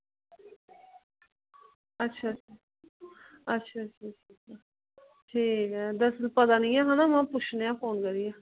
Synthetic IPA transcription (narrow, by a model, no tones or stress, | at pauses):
ətːʃʰaːa | ətːʃʰaːətʃʰaːʈʰiːka | ʈʰiːkɛːd̪əsəlpəd̪aːnɪ̃ːaːɦãnaːmãːpʊt͡ʃʰneːãːpʰoːnkəɾiːaː